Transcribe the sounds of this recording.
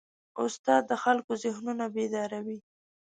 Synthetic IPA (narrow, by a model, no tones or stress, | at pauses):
ʊ̰st̪ɑd̪̚ːəxalkozɪhnunabed̪ɑɾawi